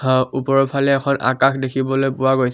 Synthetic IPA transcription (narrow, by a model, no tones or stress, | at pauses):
upɔɹɔpʰalɛɛkʰɔna̰kaxdekʰibɔlojpʊwaɡojs